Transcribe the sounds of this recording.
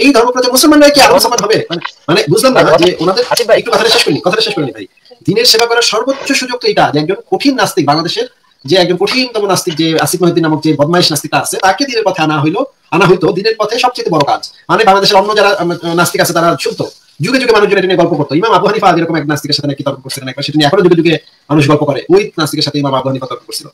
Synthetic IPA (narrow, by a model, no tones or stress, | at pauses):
ejd̪ʱɔɾmopɾɔd͡ʑamusolmanːɔekiaɾosamanɦɔbemanemanebud͡ʑʱlemnad͡ʑeʔonad̪eɾekʈukɔt̪ʰaʈaʃeʃkoɾinikɔt̪ʰaʈaʃeʃkoɾinibʱaj | d̪ineɾʃebʱabɔɾaɾʃɔɾbotːɕoʃud͡ʑok̚t̪oejʈad͡ʑeɛk̚d͡ʑonkoʈʰinːast̪ik̚baŋlad̪eʃeɾ | d͡ʑeɛk̚d͡ʑonkoʈʰint̪ɔmonast̪ik̚d͡ʑeasik̚moɦid̪ːinamok̚d͡ʑebɔd̪maiʃnast̪ikʈaasʰet̪aked̪ineɾpɔt̪ʰeanaɦojlo | anaɦojt̪od̪ineɾpɔt̪ʰeʃɔb̚t͡ɕajt̪ebɔɾoka̰d͡ʑmanebaŋlad̪eʃeɾɔnːod͡ʑaɾanast̪ikat͡ɕʰet̪aɾaʃunt̪o | d͡ʑuɡed͡ʑuɡemanuʃd͡ʑoneʈinieɡɔlpokoɾt̪oimamabd̪oɦanifaaeɾɔkomɛk̚anast̪ikeɾʃat̪enɛkit̪ɔɾkʰonkoɾsʰilonɛk̚baɾʃeʈinieɛkʰonod͡ʑuɡed͡ʑuɡe | manuʃɡɔlpokɔɾeʔojnast̪ikeɾʃat̪ʰeimamabd̪oɦanifat̪ɔɾkonkoɾsʰilo̰